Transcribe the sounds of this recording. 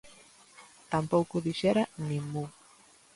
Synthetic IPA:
t̪ampowkʊðiʃeɾaniŋu

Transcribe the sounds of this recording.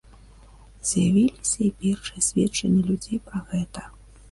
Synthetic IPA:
zʲjavʲilʲisʲɐipʲɛrʂɨjɐsʲvʲɛt͡ʂːɐnʲːɛlʲud͡zʲejpɾɐɣɛt̪ɐ

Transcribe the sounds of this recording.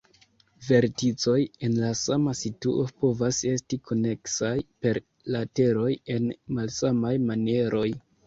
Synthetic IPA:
ve̞ɾtit͡so̞je̞nlasamasitṵʔopo̞vase̞stikʰo̞ne̞ksajpe̞ɾ | late̞ɾo̞je̞nmalsamajmanie̞ɾʔo̞j

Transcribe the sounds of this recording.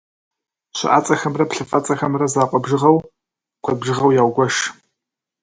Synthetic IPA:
ɕɪ̰ʔa̰ːt͡sʼɐxɐmrɐpɬɨfʼɐt͡sʼɐxɐmrɐzaːqʷʼɔbʒɨʁɐw | qʷʰɐbʒɨʁɐwjaːwɡʷɐʃ

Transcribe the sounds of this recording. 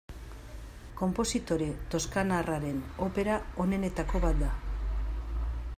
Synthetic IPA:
ko̞mpo̞sit̪o̞ɾe̞t̪o̞skanaraɾe̞no̞pe̞ɾao̞ne̞ne̞t̪ako̞βat̪̚d̪a

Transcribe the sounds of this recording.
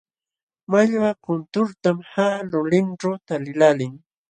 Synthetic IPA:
maʎwakʊnt̪ʊɾt̪amhaːlʊlɪnʈ͡ʂawt̪alɪlalɪŋ

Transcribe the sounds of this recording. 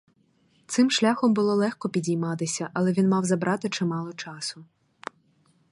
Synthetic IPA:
t̪sɪmʃlʲaxɔmbʊlˠɔlˠɛxkɔpʲidʲijmɑt̪ɪsʲɐʔɐlˠɛʋʲinmɑwzɐbɾʔɑt̪ɪt͡ʃɪmɑlˠɔt͡ʃɑsʊ

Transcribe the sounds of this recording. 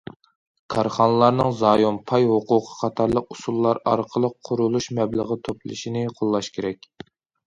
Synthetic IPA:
kʰɑɾχɑnəlˠɑɾnɨŋzɑːjompʰɑjɦʊqʊqʰə̥qʰɑt̪ʰɑɾlˠəqusulˠːɑɾɑɾqʰəlˠəqʰːʊɾulˠuʃmɛbləʁət̪ʰoplˠɨ̰ʃinɪqʰolˠːɑʃkʲʰeɾɛkʲ

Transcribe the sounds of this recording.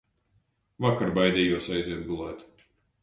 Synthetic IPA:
vakaɾbajd̪ʲɛjuɔsajzʲiɛd̪̚ɡulˠæːt̪

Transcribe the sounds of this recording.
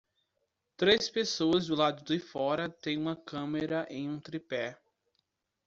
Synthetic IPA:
t̪ɾespesoɐzd̪ʊlad̪ʊd̪ɪfɔɾɐt̪ẽj̃ũmɐkɐ̃meɾɐʔẽj̃ũt̪ɾipɛ

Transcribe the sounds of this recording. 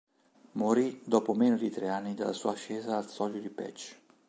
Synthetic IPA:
moɾid̪opomenod̪it̪ɾeanːid̪ḛlːa̰suːaʃeːzaːlsɔljod̪ipɛ̰t͡ʃː

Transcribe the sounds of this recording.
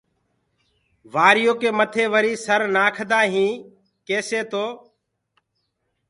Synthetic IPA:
ʋaːɾɪjoːkeːmət̪ʰeːʋəɾiːsəɾnaːkʰd̪aːɦĩː | keːseːt̪oː

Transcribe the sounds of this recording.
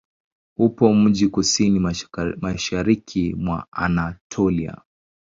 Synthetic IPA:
upɔm̩ʄikusinimaʃaɾikʰimwa̰a̰natʰɔlia̰

